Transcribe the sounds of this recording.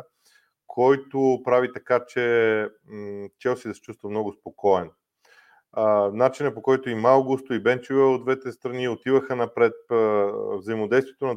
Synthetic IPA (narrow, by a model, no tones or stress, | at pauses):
kʰɔjt̪opɾavit̪ɐkat͡ʃɛ | t̪ʲɛwsid̪ɐsɛ̥t͡ʃust̪vɐmnɔɡʊspokɔɛn | nat͡ʃinəpokɔjt̪ʊimalˠɡust̪oibɛnt͡ʃivɛod̪vɛt̪ɛst̪ɾɐniot̪ivəxənɐpɾɛt̪̚ | vzɐimod̪ɛjst̪vijɛt̪onɐ